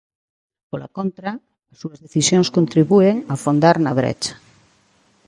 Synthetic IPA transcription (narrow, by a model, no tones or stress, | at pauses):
pola̰kont̪ɾa | suɐzðeθisjõŋskont̪ɾiβueŋafond̪aɾnɐβɾḛt͡ʃḁ